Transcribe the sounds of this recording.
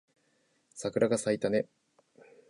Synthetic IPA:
sakɯ̟ɾaɡasait̪ane̞

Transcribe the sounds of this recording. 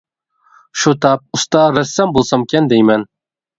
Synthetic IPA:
ʃut̪ʰɑp̚ust̪ɑɾɛsːɛmbolˠsɑmkʲʰɛnd̪ejmɛn

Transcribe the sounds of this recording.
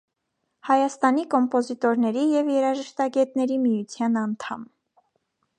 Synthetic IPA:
hɑjɑst̪ɑnikɔmpɔzit̪ɔɾnɛɾijɛvjɛɾɑʒəʃt̪ɑɡɛt̪nɛɾimijut͡sʰjɑnɑnt̪ʰɑm

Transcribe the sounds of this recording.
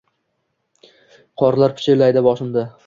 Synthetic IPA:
qʰɒɾlˠaɾpʰɪ̥t͡ʃʰelajd̪abɒʃɪmd̪ɪ

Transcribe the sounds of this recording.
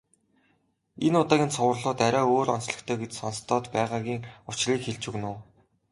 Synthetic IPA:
enʊt̪aːɣʲiːnsʰʊwə̆rɮʊːt̪æɾʲaːoːɾɔnsɮə̆kt̪ʰœːɡet͡ɕsɔnst̪ʰɔːt̪pæːʁaːɣʲiːŋʊt͡ɕriːkxeɮt͡ɕɵɣnʊː

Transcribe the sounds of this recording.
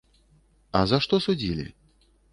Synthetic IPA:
ɐzaʂt̪ɔsud͡zʲilʲḭ

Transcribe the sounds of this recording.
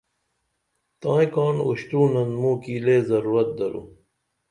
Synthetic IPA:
t̪ãːĩkɑːnuɕt̪uːnɐnd̪mũːkiːleːzɐɾuːɾɐt̪̚d̪ɐɾṵ

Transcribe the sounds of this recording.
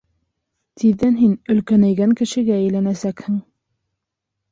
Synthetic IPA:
t̪iðːænɦinɵ̆lkænæjɡæŋkɘ̆ʃɘ̆ɡæːjlænæsækhɘŋ

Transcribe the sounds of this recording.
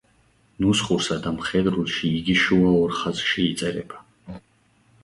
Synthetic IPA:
nusχuɾsad̪amχɛd̪ɾulʃiːɡiʃuaɔɾχazʃiːt̪sʼɛɾɛ̰ba

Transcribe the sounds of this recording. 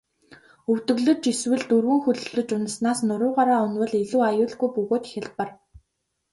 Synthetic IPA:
ɵw̥t̪ɵ̆ɣɮɵ̆t͡ɕiswɘ̆ɮt̪ɵrwɘ̆ŋxɵɮɵ̆ɮɵ̆t͡ɕʊnsnaːsnʊɾʊːʁaɾaːʊnwə̆ɮeɮuːajʊːɮɣujpɵɣoːt̪xʲɪ̆ɮpə̆r

